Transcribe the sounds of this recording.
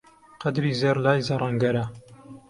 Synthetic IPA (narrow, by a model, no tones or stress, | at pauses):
qɐd̪ɾiːzeɾlaːjzɐrˤɑŋɡɐɾɐ